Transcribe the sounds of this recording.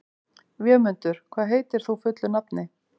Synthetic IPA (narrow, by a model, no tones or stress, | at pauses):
vjɛmʏnt̪ʏɾ̥kʰvaːðɦeːjt̪ɪɾ̥θufʏt̪lʏnapnɪ